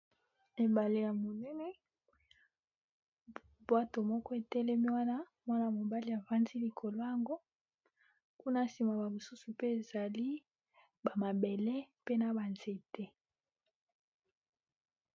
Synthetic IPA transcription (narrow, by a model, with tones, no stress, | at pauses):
e˨ba˨le˨ja˨mo˨nɛ˦nɛ˦ | bwa˦to˨mɔ˦kɔ˦e˨tɛ˦lɛ˦mi˦wa˦na˦ | mwa˦na˨mo˨ba˦li˨a˨va˦nzi˦li˨kʰo˨lo˦ja˨ŋɡo˦ | ku˦na˦˨si˨ma˨ba˨mo˨su˦su˨pe˦e˨za˨li˦ | ba˨ma˨be˨le˦pe˦na˨ba˨nze˨te˦